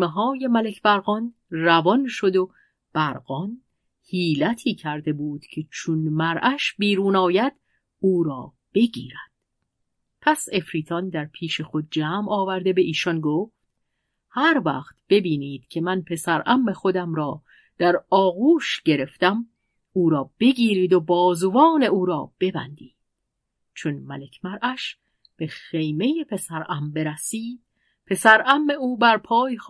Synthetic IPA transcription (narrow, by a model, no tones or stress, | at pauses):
meɦɒːje̞mæle̞kʰbæɾɣɒn | rævɒnʃo̞d̪o̞ | b̥æɾɢɒn | hiːlæt̪ʰiːcʰæɾd̪e̞buːd̪̥cʰe̞t͡ʃʰunmæɾʔæʃbiːɾuːnɒːjæd̪̥ | uːɾɒː | b̥e̞ɟḭːɾæd̪̥ | pʰæse̞fɾiːt̪ʰɒnd̪æɾpʰiːʃe̞xo̞d̪̚d͡ʒæːmɒːvæɾd̪e̞be̞ʔiːʃɒnɡoft̪ | hæɾvæ̰χt̪b̥e̞biːniːd̪̥cʰe̞mænpʰe̞sæɾʔæmːe̞xo̞d̪æmɾɒː | d̪̥æɾɒːɣuːʃɟe̞ɾe̞ft̪æm | uːɾɒːb̥e̞ɟiːɾiːd̪obɒːzovɒːne̞uːɾɒ̰ːb̥e̞bæ̰nd̪iːd̪̥ | t͡ʃʰonmæle̞kʰmæɾʔæʃ | b̥e̞xe̞jme̞jepʰe̞sæɾʔæmbe̞ɾæsiːd̪̥̚ | pʰe̞sæɾæmːe̞uːbæɾpʰɒːjex